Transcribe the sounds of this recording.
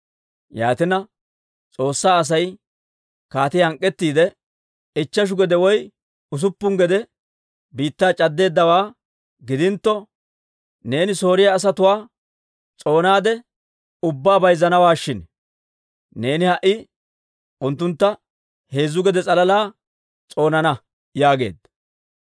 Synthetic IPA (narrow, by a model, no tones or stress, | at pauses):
ja̰ːt̪ɪnɐ | t͡sʼo̞ːsːaːɐs̬ɐj | kaːt̪ɪhɐŋkʼːɛt̪ːiːd̪ɛ | ɪt͡ʃːɐʃ̬ʊɡɛd̪ɛwɔj | ʊs̬ʊpːʊŋɡɛd̪ɛ | biːt̪ːaːt͡ʃʼɐd̪ːe̞ːd̪ːɐwaː | ɡɪd̪ɪnt̪ːɔ | ne̞ːnɪso̞ːɾɪjaːs̬ɐt̪ʊwaː | t͡sʼo̞ːnaːd̪ɛ | ʊbːaːbɐjzːɐnɐwaːʃːɪn | ne̞ːnɪhɐʔːɪ | ʔʊnt̪ːʊnt̪ːɐ | he̞ːzːʊɡɛd̪ɛt͡sʼɐlɐlaː | t͡sʼo̞ːnɐnɐ | jaːɡe̞̰ːd̪